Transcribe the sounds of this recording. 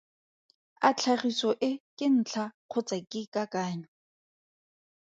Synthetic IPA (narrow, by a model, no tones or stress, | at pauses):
at͡ɬʰaχisɔʔɪkʼɪn̩t͡ɬʰaq͡χʰʊt͡sakʼɪkʼakʼaːɲɔ